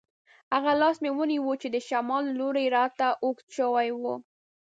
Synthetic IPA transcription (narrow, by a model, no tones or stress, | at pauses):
haɣalɑsmewəniwut͡ʃed̪əʃamɑlːoɾejɾɑt̪aʔok̪ʃəwajwu